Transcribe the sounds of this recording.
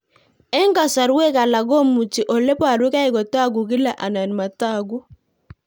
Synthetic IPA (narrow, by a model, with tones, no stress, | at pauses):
ɛ˦ŋɡa˨sa˨ɾwɛ˦ka˨la˨ɡɔ˦mu˨t͡ʃi˨ʔɔ˨lɛ˦pɔ˦a˨ɾwu˦ka˦i˦kɔ˨ta˦ɡu˨kɪ˦la˨ʔa˨na˨n˨ma˨ta˦˨ɡu˦